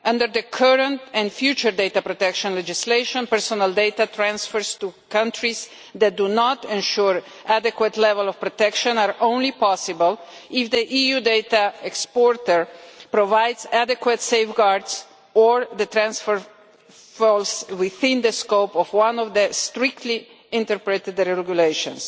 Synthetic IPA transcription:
ʔʌ̃ndəɾðəkʰəɹə̃ntɛ̃nfjut͡ʃəɹdeɪt̪apɾot̪ɛkʃɔ̃nlɛd͡ʒɪsleɪʃɔ̃npɛɹsɔnəlˠdeɪt̪at̪ʰɹæ̃nsfəɹst̪ukʌ̃ntɹiz | ðæt̚d̪unɔtɛ̃nʃuɹ | ʔædɛkwət̪lɛvəlˠɔv̥pɾot̪ɛkʃə̃naɹõʊ̃nlipɔsɪbəlˠ | ɪfd̪əʔijud̪et̪aɛkspɔɾt̪əɹpɾɔvajdzæd̪ɛkwat̪seɪfɡaɾds | ɔɹðət̪ɾæ̃nsfəɹ | fɔlswɪθɪ̃nd̪əskoʊpɔvwãnɔvd̪əst̪ɾɪk̚t̪li | ɪ̃nt̪əɾpɹɛt̪ɪd̪ɾɛɛɡjuleʃɔ̰̃ns

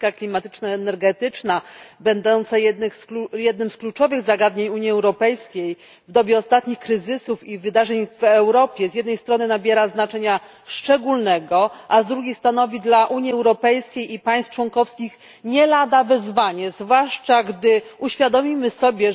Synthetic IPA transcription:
kaklʲimat̪ɘ̥t͡ʂnaɛnɛɾɡɛt̪ɘt͡ʂnabɛnd̪ɔnt̪sajɛnjɛd̪nɘmsklut͡ʂɔvɘɣzaɡad̪ɲeɲuɲiɛwɾɔpɛjskʲej | vd̪ɔbʲjɛɔst̪at̪ɲixkɾɘzɘsufivɘd̪aʐɛɲvɛwɾɔpʲjɛzʲjɛd̪nɛjst̪ɾɔnɘnabʲjɛɾaznat͡ʂɛɲa | ʂt͡ʂɛɡulnɛɡɔʔazd̪ɾuɡʲjejst̪ɾanɔvʲid̪laʔuɲiɛwɾɔpɛjskʲejipaj̃st̪t͡ʂwɔŋkɔfskʲix | ɲɛlad̪avɛzvaɲɛzvwaʂt͡ʂaɡd̪ɘuɕfʲjad̪ɔmʲimɘsɔbʲjɛ

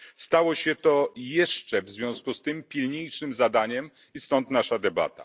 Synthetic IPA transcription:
st̪awɔɕɛt̪ɔjɛʂt͡ʂɛvzvʲjɔ̃w̃skust̪ɘmpʲilɲejt͡ʂɘmzad̪aɲɛm | ist̪ɔnt̪naʂad̪ɛba̰t̪a̰

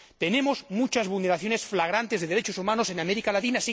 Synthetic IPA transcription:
t̪e̞nemozmut͡ʃazβulneɾaθjo̞ne̞sflaɣ̞ɾant̪e̞zðeðeɾet͡ʃosumãnose̞nameɾikalat̪inasi

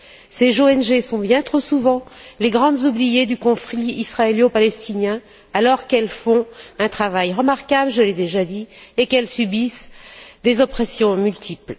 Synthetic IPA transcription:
sezoɛnʒesɔ̃bjɛ̃t̪χosuvɑ̃leɡʁɑ̃d̪zublijed̪ykɔ̃fχiisχaeljopalɛst̪injɛ̃ | alɔʁkɛlfɔ̃ɛ̃t̪χavajʁəmaʁkabləʒəled̪eʒad̪iekɛlsybisd̪ezɔpχɛsjɔ̃mylt̪ʰipl

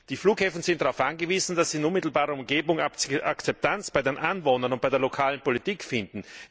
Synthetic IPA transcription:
d̥iːfluːkhɛːfn̩z̥ɪnt̚d̥aʁaʊfʔanɡəviːzn̩dasz̥iːɪnʊnmɪtl̩baːʁɐʊmɡeːbʊŋʔakt͡sɛp̚tant͡sb̥aɪdenʔanvoːnɐnʊnt̚b̥aɪdeːɐlokʰaːlənpolitiːkfɪndn̩

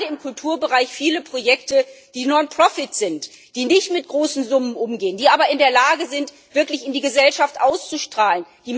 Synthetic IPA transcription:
dəɪmkʰʊltʰuːɐbəʁaɪçfiːləpʁ̥ojɛktəd̥iːnɔnpʁ̥ɔfɪtz̥ɪnt | d̥iːnɪçtmɪt̚ɡ̥ʁoːsn̩zʊmənʔʊmɡeːəndiːʔaːbɐɪndeːɐlaːɡəzɪnt | v̥ɪɐklɪçɪndiːɡəzɛlʃaftʔaʊst͡suʃtʁ̥aːlənd̥iːm

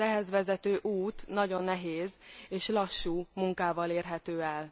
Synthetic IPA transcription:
ɛɦɛzʋɛzɛt̪øːʔuːt̪nɒɟo̞nːɛɦeːzeːʃlɒʃːuːmuŋkaːvɒleːrɦɛt̪øːɛl

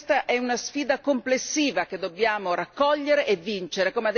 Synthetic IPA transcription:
st̪aʔɛunasfiːd̪akomplesːiːvak̟ed̪ːobjaːmoɾakːɔʎːeɾeʔevːint͡ʃeɾekomead̪

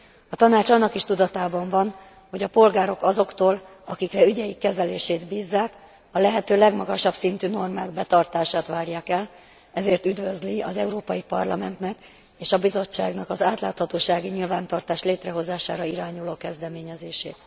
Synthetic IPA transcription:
ɒt̪ɒnaːt͡ʃɒnːɒkiʃt̪ud̪ɒt̪aːbɒɱvɒn | ho̞ɟɒpo̞lɡaːɾo̞kɒzo̞kt̪oːl | ɒkikrɛyɟɛjikːɛzɛleːʃeːd̪biːzːaːk | ɒlɛɦɛt̪øːlɛɡmɒɡɒʃɒbsint̪yːno̞rmaːɡ̚bɛt̪ɒrt̪aːʃaːt̪ʋaːrjaːkɛl | ɛzeːrt̪yd̪vø̞zliɒzɛuɾoːpɒjipɒrlɒmɛnt̪nɛk | eːʃɒbizo̞t͡ʃːaːɡnɒkɒzaːt̪laːt̪hɒt̪oːʃaːɡiɲilvaːnt̪ɒrt̪aːʃleːt̪rɛɦo̞zaːʃaːɾɒiɾaːɲuloːkɛzd̪ɛmeːɲɛzeːʃḛːt̪

